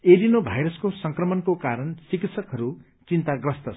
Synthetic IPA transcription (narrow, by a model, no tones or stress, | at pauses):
eɾinobʱajɾʌskosʌŋkrʌmʌnkokaɾʌnsikit̪sʰʌkɦʌɾu | t͡sint̪aɡrʌst̪ʌ